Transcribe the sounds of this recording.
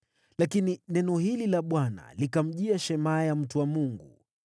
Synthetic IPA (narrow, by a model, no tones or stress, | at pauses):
lakininɛnɔhililaɓwana̰likam̩ʄiaʃɛmajam̩tuwamuŋɡu